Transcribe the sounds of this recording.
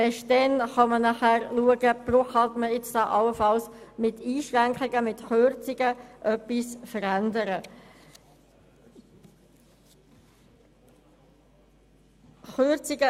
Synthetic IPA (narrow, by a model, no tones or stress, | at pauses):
ɛʃdɛnχɑmənɑχæɾluəɡəb̥roχɑtməɪt͡sd̥aʔɑləfɑlsmɪtiːʃʁæŋkχɪɡəmɪtχøɾt͡siɡ̥əʔœpːisfəɾændəɾə | χøɾt͡siɡə